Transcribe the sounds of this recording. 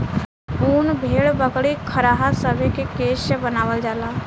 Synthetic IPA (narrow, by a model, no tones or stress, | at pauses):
uːnbʱeːɽbəkɽikʰəɾaːɦasəbʱekekeːsəbənaːʋəld͡ʒaːlaː